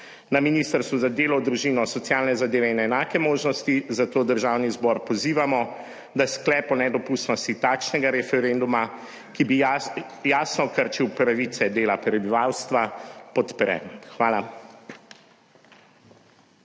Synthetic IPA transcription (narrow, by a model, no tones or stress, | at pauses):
naminist̪əɾst̪ʋuzad̪eːlɔwd̪ɾuʒiːnɔsɔt̪sjaːlnɛzad̪eːʋɛinɛnaːkɛmoːʒnɔst̪izat̪oːd̪əɾʒaːwnizbɔɾpɔziːʋamɔ | d̪asklɛːpɔnɛd̪ɔpuːst̪nɔst̪it̪aːkʃnɛɡaɾɛfɛɾend̪uma | kibi | jaːsnɔkəɾt͡ʃiwpɾaʋit̪sɛd̪eːlapɾɛbiʋaːwst̪ʋapɔt̪pɾɛ̰xʋaːla